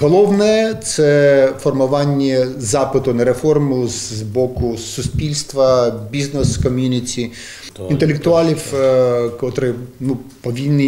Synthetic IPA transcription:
ɦɔlˠɔwnɛt̪sɛfɔrmʊʋɑnʲːɛzɑpɪt̪ʊnɐɾefɔrmʊzbɔkʊsʊsʲpʲilʲst̪ʋɐbʲiznɛskɔmʲjunʲit͡sʲi | int̪elʲekt̪ʊɑlʲiwkɔt̪ɾɪnu | pɔʋʲinːɪ

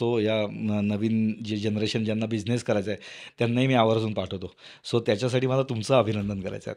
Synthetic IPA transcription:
ojanəʋiːnd͡ʑed͡ʑenɾeɕənd͡ʑjanːabid͡ʑneskəɾajt͡saɦet̪janːaɦiːmiːaʋəɾsuːnpaʈʰəʋt̪o | sot̪jat͡ɕjas̬aʈiːməlat̪umt͡saəbʱinənd̪ənkəɾa̰jt͡sa̰ɦḛ

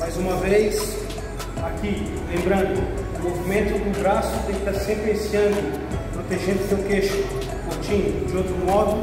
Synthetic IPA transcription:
majzũmɐvejs | aki | lẽmbɾɐ̃nd̪ʊ | ʊmovimẽnt̪ʊd̪ʊbɾasʊt̪ẽkt̪aɾsẽmpɾɪẽsiɐ̃nd̪ʊ | pɾot̪eʒẽnd̪ʊsewkeʃʊ | koɾt͡ʃĩɲʊd͡ʒɪowt̪ɾʊmɔd̪ʊ

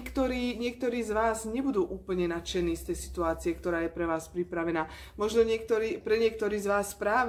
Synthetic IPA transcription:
kt̪ɔɾiːɲɪɛk̚t̪ɔɾiːzʋaːzɲɛbud̪uːʔuːpl̩ɲɛnat͡ʃɛniːst̪ɛjsi̥t̪uaːt͡siɛkt̪ɔɾaːjɛpɾɛʋaːspɾipɾaʋɛnaː | mɔʒnɔɲɪɛk̚t̪ɔɾiːpɾɛɲɪɛk̚t̪ɔɾiːzʋaːspɾaːʋ

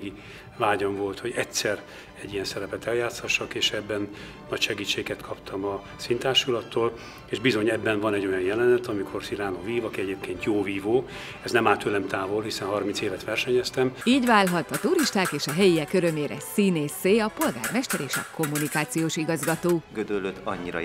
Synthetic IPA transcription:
ɡi | vaːɟoɱvo̞lt̪ho̞ɟɛtsɛr | ɛɟːijɛnsɛɾɛpɛt̪ɛljaːt̪shɒʃːɒkeːʃɛbːɛnː | ɒcʃɛɡiːt͡ʃːeːɡɛt̪kʰɒpt̪ʰɒmɒ | sint̪aːʃulɒt̪ːoːl | eːʒbizo̞ɲɛbːɛnvɒnɛɟːo̞jɒnjɛlɛnɛt̪ɒmikʰo̞rsiɾaːnoːviːvɒkiɛɟeːp̚keːnt̪joːviːvoː | ɛznɛmaːt̪ølɛmt̪aːvo̞lɦisɛnɦɒrmint̪seːvɛt̪ʋɛrʃɛɲɛst̪ɛmiːɟʋaːlɦɒt̪ɒt̪uɾiʃt̪aːkeːʃɒɦɛjiɛkːøɾømeːɾɛ̰sineːseːɒpo̞lɡaːrmɛʃt̪ɛɾeːʃɒ̰ko̞mːunikaːt̪sijoːʃiɡɒzɡɒt̪oːɡød̪ølːøt̪ɒɲːiɾɒ̰

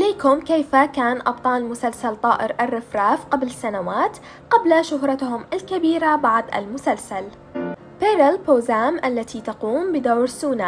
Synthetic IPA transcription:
ʔaleːkʊmkejfakaːnʔɑb̚t̪ˤɑːlmʊsalsalt̪ˤɑːʔɪɾʔarːɪfɾaːfqablɪsːanawaːt̪ | qablaʃʊɦɾˤɑt̪hʊmʔalkabiːɾabɑʕd̪ˤʔa̰lmʊsalsal | peːɾɪlpoːzaːmʔalːat̪ʰit̪ɑquːmbɪd̪awɾsuːna

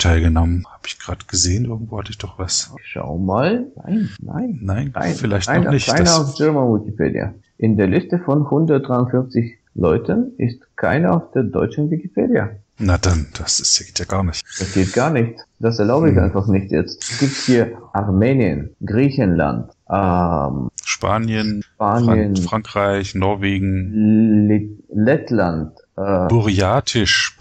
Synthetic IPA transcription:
tʰaɪlɡənɔmənhaːbɪçɡ̥ʁaːdəɡ̥əzeːənʔɪɐɡŋ̩tv̥oːhatəɪçd̥ɔχv̥asʃa̰ʊmaːlna̰ɪnna̰ɪnnaɪna̰ɪnfɪlaɪçaɪɪçaɪnɐaʊfd͡ʒɛɐmanwɪkipʰḛːdḭa̰ | ʔɪndeːɐlɪstəfɔnhʊndɐt̚d̥ʁaɪʊnfɪnft͡sɪç | lɔʏtʰənʔɪstkʰa̰ɪnɐaʊfd̥eːɐdɔ̰ʏt͡ʃn̩vɪkipʰḛːdia̰ | nad̥and̥asɪstɡ̥eːtjaːɡ̥aːɐnɪçtd̥asɡ̥eːt̚ɡ̥aːɐnɪçt͡sd̥asɛɐlaʊbəɪça̰ɪnfaχnɪçtjɛ̰t͡stsɡ̥iːp̚thiːɐʔaʁmeːnjə̰nɡ̥ʁiːçənla̰ntʔɛmʃpaːnjənʃpaːnjənfʁ̥aŋkʁ̥aɪçnɔɐveːɡŋ̩ | lɛtlant | ʔɛb̥uʁiaːtʰɪʃ

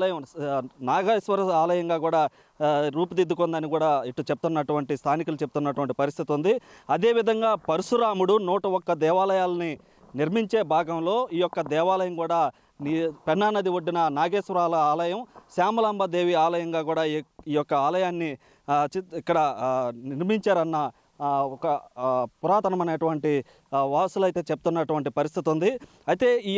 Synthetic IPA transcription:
lɐjɐmnaːɡeːsʋɐɾɐaːlɐjɐŋɡaːkuːɽaː | ɾuːp̬ud̪id̪ːukond̪ɐnikuːɽaːiʈːut͡ʃepu̥t̪unːɐʈuʋɐɳʈist̪ʰaːnik̬ulut͡ʃep̚ut̪unːɐʈuʋɐɳʈi̥pɐɾist̪ʰit̪iund̪iɐd̪e̞ːʋid̪ʱɐŋɡaːpɐɾusuɾaːmuɽunɔːʈɐɔkːɐd̪ɛːʋaːlɐjaːlɐni | niɾmiɲt͡ʃe̞ːbʱaːɡɐmlo̞ːiːjɔkːɐd̪ɛːʋaːlɐjɐmkuːɽaː | nipɛnːaːnɐd̪iʋoɖːinɐnaːɡe̞ːsʋɐɾaːlɐaːlɐjɐmsaːmɐlaːmbɐd̪e̞ːʋiaːlɐjɐŋɡaːkuːɽaːiːjɔkːɐaːlɐjaːnːi | ikːɐɽɐniɾmiɲt͡ʃaːɾɐnːɐ | ɔkɐpuɾaːt̪ɐnɐmɐneːʈuʋɐɳʈi | ʋaːsulɐjt̪e̞ːt͡ʃeb̚ut̪unːɐʈuʋɐɳʈipɐɾis̬t̪ʰit̪und̪i | ɐjit̪e̞ːiː

